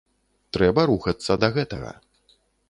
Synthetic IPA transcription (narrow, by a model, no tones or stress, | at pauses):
t̪ɾɛbɐɾuxɐt̪sːɐd̪ɐɣɛt̪ɐ̰ɣɐ̰